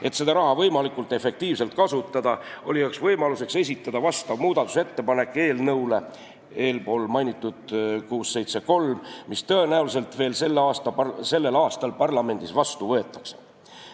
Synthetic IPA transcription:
e̞t̪se̞d̪̥ɑɾɑɦɑvɤjmɑlikːˑult̪ːˑe̞fe̞k̚t̪iːvse̞lt̪̚kɑsut̪ːˑɑd̪̥ɑo̞liɑksvɤjmɑluse̞kse̞s̬ʲit̪ːˑɑd̪̥ɑvɑst̪ɑvmuːd̪̥ɑt̪ːˑu̥se̞t̪ːe̞pɑne̞kːˑe̞ːlnɤwle̞ | e̞ːlpo̞ːlmɑjnʲit̪ːˑud̪̥kuːsːe̞jt̪se̞ko̞lmmist̪ɤe̞næulis̬e̞lt̪ve̞ːlse̞lːeɑːst̪ɑse̞lːe̞lɑːst̪ɑlpɑrlɑme̞nd̪̥isvɑst̪uvɤ̞e̞t̪ːˑɑ̥kse̥

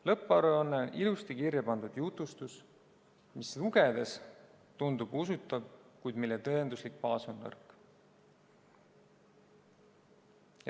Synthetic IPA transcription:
lɤpˑːɑɾonːeonʔilust̪ikirjɑpɑnd̪ud̪̥jut̪ːˑust̪us | misluɡ̥ed̪̥e̞s | t̪und̪ub̥usut̪ːˑɑb̥̚kujd̪̥milːet̪ɤend̪uslik̚pɑːso̞nːɤ̰rk

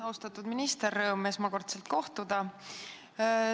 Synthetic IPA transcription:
ost̪ɑt̪ːˑud̪minist̪erːɤːme̞smɑko̞rt̪se̞lt̪̚ko̞ht̪ud̪̥ɑ

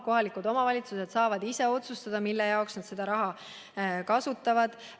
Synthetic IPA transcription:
ko̞ɦɑlikud̪o̞mɑvɑlʲit̪suse̞d̪sɑːvɑd̪ise̞o̞t̪sust̪ɑd̪̥ɑmilːejɑoksnɑd̪se̞d̪̥ɑɾɑɦɑ | kɑsut̪ːˑɑvɑd̪̥

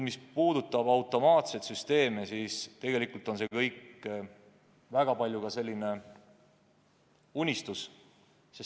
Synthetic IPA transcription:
mispuːd̪ut̪ːˑɑbɑwt̪ˑo̞mɑːt̪se̞t̪syst̪e̞ːmesist̪e̞ɡe̞likult̪ˑo̞nse̞kɤjk | væɡ̥ɑpɑlʲjukɑse̞lʲːine̞ | unʲist̪us | ses

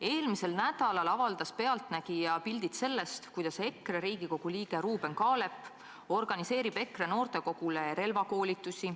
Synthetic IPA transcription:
e̞ːlmise̞lnæd̪̥ɑlɑlɑvɑld̪̥ɑspe̞ɑlt̪næɡ̥ijɑpilʲd̪̥it̪se̞lːe̞st̪kujd̪̥ɑse̞kːreɾiːɡiko̞ɡ̥uliːɡ̥e̞ɾuːb̥e̞nkɑːle̞pːˑ | o̞rɡ̥ɑnise̞ːɾib̥e̞kre̞no̞ːrt̪e̞ko̞ɡ̥uleɾe̞lvɑko̞ːlʲit̪ːˑusi

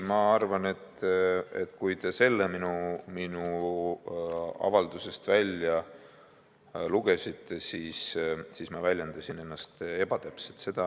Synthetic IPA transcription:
mɑɑrvɑne̞t̪ːet̪kujt̪e̞se̞lːeminuminu | ɑ̰vɑld̪̥use̞st̪vælʲjɑ | luɡ̥e̞sit̪ːe̞siːssiːsmɑvælʲjend̪̥ɑsine̞nːɑst̪e̞b̥ɑt̪æpset̪se̞d̪̥ɑ

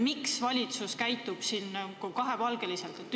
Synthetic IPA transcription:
miksvɑlʲit̪suskæjt̪ːub̥siːnːkokɑɦe̞vɑlɡ̥e̞liselt̪et̪ːˑ

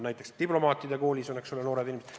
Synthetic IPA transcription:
næjt̪ːˑe̞kst̪iplo̞mɑːt̪ːˑid̪eko̞ːlʲisoneksolenoːɾed̪inʲimsd̪

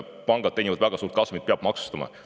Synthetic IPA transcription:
pɑŋɡ̥ɑd̪e̞jnʲivɑd̪væɡ̥ɑsuːɾt̪̚kɑsvumid̪̚peɑb̥mɑksu̥st̪ɑmɑ̰

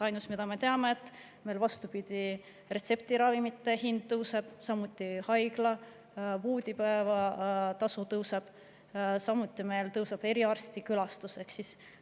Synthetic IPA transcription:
ɑjnusmid̪̥ɑme̞t̪e̞ɑme̞ːt̪ːˑ | me̞jlvɑst̪upid̪̥i | re̞t̪se̞p̚t̪iɾɑvimit̪ːˑe̞hind̪̥ːɤwseb̥sɑmut̪ʲːˑihɑjɡ̥lɑ | vuːd̪̥ʲipæevɑt̪ɑsut̪ɤwseb̥ | sɑmut̪ːˑime̞jlt̪ɤwsɑb̥e̞ɾiɑrst̪ikylɑst̪use̞ksis

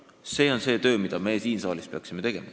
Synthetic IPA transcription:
se̞ːo̞nse̞ːt̪ø̞ːmid̪̥ɑme̞ːsiːnsɑːlispe̞ɑksime̞t̪e̞ɡ̥e̞̰mɑ

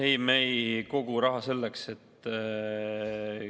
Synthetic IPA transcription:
ejmejko̞ɡ̥uɾɑɦɑse̞lːekse̞t̪ː

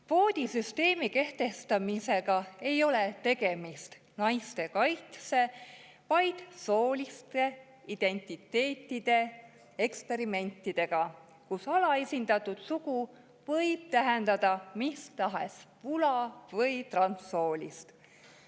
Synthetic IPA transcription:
vo̞ːd̪̥ʲisyst̪e̞ːmike̞ht̪e̞st̪ɑmise̞ɡ̥ɑe̞jo̞let̪e̞ɡe̞mist̪ | nɑjst̪e̞kɑjt̪se̞ | vɑjd̪̥so̞ːlʲist̪e̞ | id̪̥e̞nʲt̪ˑit̪ːˑe̞ːt̪ˑːid̪̥e̞ | ekspe̞ɾime̞nʲt̪ːˑid̪̥e̞ɡ̥ɑ | kusɑlɑe̞sʲind̪̥ɑt̪ːˑud̪̥suɡ̥u | vɤ̞jb̥̚t̪æɦend̪̥ɑd̪̥ɑmist̪ɑɦḛspulɑvɤjt̪rɑnso̞ːlʲist̪

